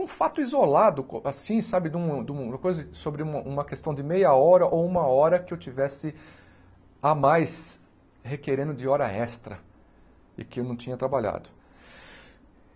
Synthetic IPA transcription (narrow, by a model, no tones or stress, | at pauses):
ũfat̪ʊizolad̪ʊkasĩsabɪd̪ũd̪ũɐkojzɐsobɾɪũmɐũmɐkest̪ɐ̃w̃d͡ʒ̪ɪmejɐɔɾɐʔowũmɐɔɾɐkɪewt͡ʃivɛsɪ | amajs | hekeɾẽnd̪ʊd̪ɪɔɾɐɛst̪ɾɐ | ɪ̰kɪewnɐ̃w̃t͡ʃ̪ĩɲɐt̪ɾabaʎa̰d̪ʊ